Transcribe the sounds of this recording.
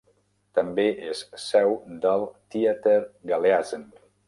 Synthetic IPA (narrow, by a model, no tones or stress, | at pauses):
t̪əmbeʔessɛwd̪əlˠt̪iat̪əɾɡaleazən